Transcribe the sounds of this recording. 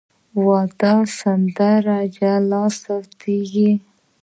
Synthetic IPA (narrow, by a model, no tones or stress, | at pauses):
wɑd̪ɑsand̪aɾad͡ʒalɑsawt̪ʰiɡi